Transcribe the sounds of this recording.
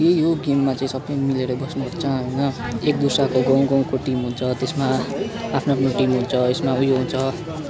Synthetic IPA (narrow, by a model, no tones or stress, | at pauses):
jejoɡemːat͡saĩsʌbːʌjmileɾʌbʌsnuɦʌt͡sʰʌɦʌjnʌek̚d̪usakoɡʌ̃w̃ɡʌ̃w̃koʈimɦunt͡sʰʌt̪esmaapʰnapnoʈimɦunt͡sʰʌesmaujoɦunt͡sʰʌ